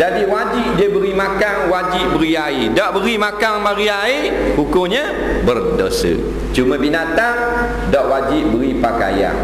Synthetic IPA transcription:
d͡ʒadiwad͡ʒip̚diəbəɾimakaŋwad͡ʒiʔ̚bəɾiaidaʔbəɾimakaŋmaɾiai | hukʊŋɲa | bərdosə̰ | t͡ʃumə̃binat̪aŋ | daʔwad͡ʒiʔbəɾipaka̰ja̰ŋ

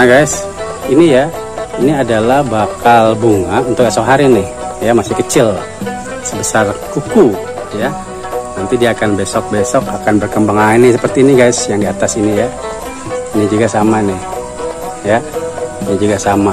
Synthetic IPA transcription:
naɡajs | inija | iniadalahbakalbuŋaʔunt̪ʊkɛsɔkɦaɾinɪh | jamasɪhkət͡ʃɪl | səbəsarkuku | ja | nant̪idiaːkanbesɔk̚besɔkakanbərkəmbaŋanisəpərt̪iːniɡajsjaŋdiat̪asinija | iɲid͡ʒuɡasamanɪh | jaɲid͡ʒuɡasama

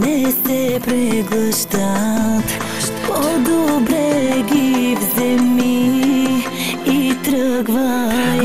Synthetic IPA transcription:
nɛsɛpɾɛɡlˠəʃd̪at̪ | ʃt̪ɔd̪ɔbɾɛɡivzɛmi | t̪ɾəɡva

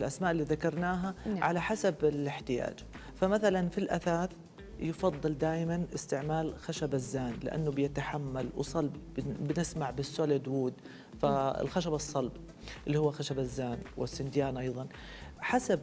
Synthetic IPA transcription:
lʔasmaːʔɪlːiːðakɑɾˤnaːɦaʕalaħasabɪlɪħt̪ɪja̰ːd͡ʒ | famaθalanfilʔaθaːθ | jɪfɑðˤːɨld̪aːjɪmanʔɪst̪ɪʕmaːlxaʃabazːaːnlɪ̰ʔa̰nːʊbɪjɪt̪aħamːalw̰sˤɑlbbɪnɪsmaʕbɪsːoːlad̪wuːd̪ | faɪ̰lxaʃabɑsˤːɑlb | ʔɪlːiːhuːaxaʃabazːaːnwɪ̰sːɪnd̪jaːnʔɑjðˤɑn | ħasab̚

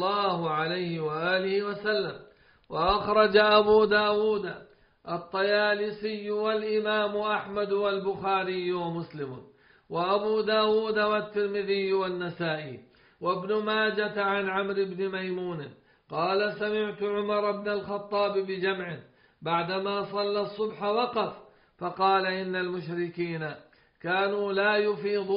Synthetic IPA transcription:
ɑːhʊʕalajhɪwaʔaːlɪhɪwasalːam | waʔaxɾˤɑd͡ʒaʔabuːd̪aːwuːd̪a | ʔɑt̪ˤːɑjaːlɪsɪjːwalʔɪmaːmʊʔaħmad̪walbʊxaːɾɪjːwamʊslɪmʊ̰ | waʔabuːd̪aːwuːd̪awat̪ːɪɾmɪðɪjːwanːasaːʔiː | wabnʊmaːd͡ʒaʕanʕamɾɪbnɪmajmuːn | qɑːlasamɪʕt̪ʊʕʊmɑɾˤɑbnalxɑt̪ˤːɑːbɪbɪd͡ʒamʕɪ | baʕd̪amaːsˤɑlːɑsˤːʊbħawɑqɑf | fɑqɑːlaʔɪnːalmʊʃɾɪkiːna | kaːnuːlaːjʊfiːd̪ˤ

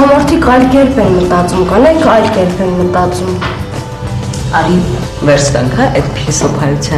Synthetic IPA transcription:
ɑmɔɾt̪ʰikʰɑjlkɛɾpʰɛnmət̪ɑt͡sumkɑnɛkʰɑjlkɛɾpʰɛnmət̪ɑt͡sum | vɛɾsʰt̪ɑ̰ŋkʰaʔɛt̪pʰisəpʰɑjut͡sʰjɑ

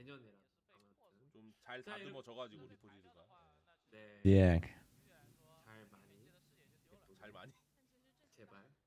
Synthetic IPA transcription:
t͡ɕomt͡ɕaɭtadɯmʌt͡ɕʌɣad͡ʑiɡoɾipʰodiɾɯɡae | ekʰ | t͡ɕaɭmaɲi

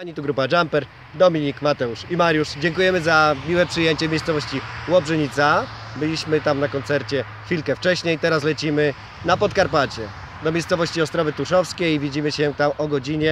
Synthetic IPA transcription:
aɲit̪uɡɾupad͡ʐampɛɾ | d̪ɔmʲiɲikmat̪ɛuʂimaɾʲjuʂd͡ʑɛŋkujɛmɘzamʲiwɛpʂɘjeɲt͡ɕɛmʲejst̪sɔvɔɕt͡ɕiwɔbʐɛɲit̪sa | bɘlʲiɕmɘt̪amnakɔnt̪sɛɾt͡ɕɛ | xfʲilkɛft͡ʂɛɕɲejt̪ɛɾaslɛt͡ɕimɘ | napɔt̪̚kaɾpat͡ɕɛ | d̪ɔmʲejssɔvɔɕt͡ɕiɔst̪ɾɔvɘt̪uʂɔfskʲejvʲid͡ʑimɘɕɛt̪amɔɡɔd͡ʑiɲɛ

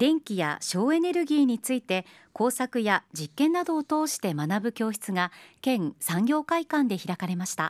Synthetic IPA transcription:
d̪̥ẽ̞ŋkʲija̰ɕo̞ːe̞ne̞ɾɯ̟ɡʲiːɲ̟it͡sɨit̪e̞ | ko̞ːsakɯ̟jad͡ʑikːẽ̞nːad̪o̞ːt̪o̞ːɕi̥t̪e̞manabɯ̟kʲo̞ːçi̥t͡sɨɡakẽ̞ŋsãŋɡʲo̞ːkaikãnd̪e̞çiɾakaɾe̞maɕi̥t̪a̰

